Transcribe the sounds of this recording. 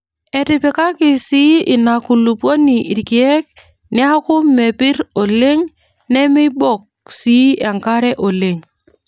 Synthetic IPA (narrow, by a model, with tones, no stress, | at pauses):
ɛ˨tɪ˨pɪ˦ka˦kɪ˨si˦ɪ˨na˨ku˨lu˨pwo˦ni˨ʔi˨ɾki˨ɛ˦k̚ | nɪ˦a˦kʊ˦me˨pɪ˦ɾo˨le˦ŋ | nɛ˦mɪ˦bɔ˦˨k̚si˦ɛ˨ŋka˦ɾɛ˦ʔo˨le˦˨ŋ